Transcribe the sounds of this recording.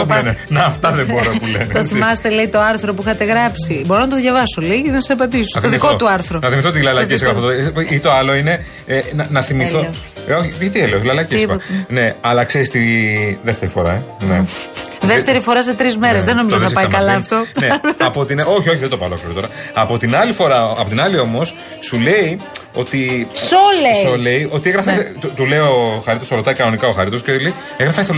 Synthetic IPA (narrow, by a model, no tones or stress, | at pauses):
opulenenɐːft̪ɐðeboɾopulenet̪oθimɐst̪eleit̪oɐɾθɾopuixɐt̪e̞ɣɾɐpsibo̞ɾonɐt̪̬oðʝɐvɐsoliɣinɐsɐpɐd̪iso̥ðikot̪uɐɾθɾonɐθimiθot̪ilɐlɐceseɣɐfooit̪o̞ɐlo̞ine̞ | enɐnɐθimiθo | oçiet̪ieloslɐlɐcesspɐot̪ne̞ɐlɐkseɾist̪iðeft̪e̞ɾifo̞ɾɐeneðeft̪eɾifo̞ɾɐset̪ɾizmeɾezðeno̞mizðθɐspɐjɐmkɐlɐft̪oneɐpot̪ino̞çio̞çiðed̪opɐlo̞kliɾot̪o̞ɾɐɐpo̞t̪inɐlifo̞ɾɐɐpo̞t̪inɐlio̞mo̞s | sule̞io̞t̪isolesole̞io̞t̪ieɣɾɐfɐt̪ut̪ule̞ioxɐɾit̪osɾot̪ɐikɐno̞nikɐoxɐɾit̪o̞scelei | eɣɾɐfɐeθol